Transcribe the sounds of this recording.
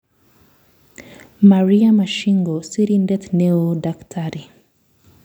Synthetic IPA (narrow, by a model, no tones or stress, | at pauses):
maɾiamaʃiŋɡɔsiɾindɛt̪nɛodaktʰaɾi